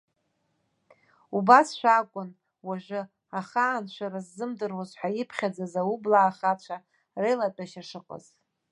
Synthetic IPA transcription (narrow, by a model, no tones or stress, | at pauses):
ubasʃʷᶣakʷʼʊn | waʒʷɨ | aχaːnt͡ʃʷʰaɾazːɨmdɨrwazħʷajɪpʰχʲad͡zazawublaːχat͡ɕʷʰa | rejlatʼaʃaʂɨqʼə̰z̥